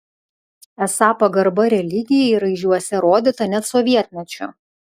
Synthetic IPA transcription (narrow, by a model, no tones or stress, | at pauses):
ɛsɑːpɐɡɐɾbɐɾʲɛlʲɪɡʲɪjɛiɾɐɪʒʲuɔsʲɛɾoːd̪ʲɪt̪ɐnʲɛt̪sɔʋʲiɛt̪ʲmʲɛt͡ʃʲʊ̰